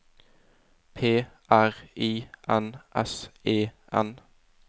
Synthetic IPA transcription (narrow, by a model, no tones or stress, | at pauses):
pʰeːʔæʁiːʔɛnʔɛseːʔɛ̰n